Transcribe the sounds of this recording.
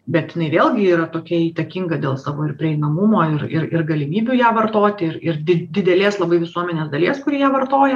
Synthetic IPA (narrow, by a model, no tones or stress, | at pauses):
bʲɛt̪ɪnɐɪʋʲeːlˠɡʲɪiːɾɐt̪oːkʲɛiːt̪ɐkʲiŋɡɐd̪ʲeːlˠsɑːʋoːɪɾpʲɾʲɪɛɪnɐmʊmoːɪrɪ̰ɾɪ̰rɡɐlʲɪmʲiːbʲujæːʋɐrt̪oːt̪ʲɪɪɾɪrd̪ʲɪd̪ʲɪd̪ʲɛlʲeːslˠɐbɐɪʋʲɪsuɔmʲɛnʲeːsd̪ɐlʲeːskʊɾʲiɛjæːʋɐrt̪oːjɛ